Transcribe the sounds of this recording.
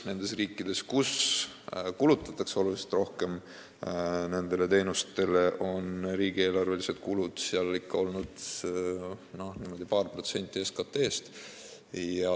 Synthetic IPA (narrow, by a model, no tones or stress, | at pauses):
ne̞nd̪̥e̞sriːkːˑid̪̥e̞skus | kulut̪ːˑɑt̪ːˑɑkseo̞luliset̪ro̞hke̞m | ne̞nd̪̥e̞le̞t̪e̞ːnust̪e̞le̞ʔo̞nriːɡ̥ie̞ːlɑrve̞lise̞d̪̥kulud̪̥siɑlikːɑo̞lnud̪̥ | no̞hniːmo̞d̪̥ipɑːrpro̞t̪se̞nʲt̪ʲːˑieskɑt̪ːe̞ːst̪ | jɑ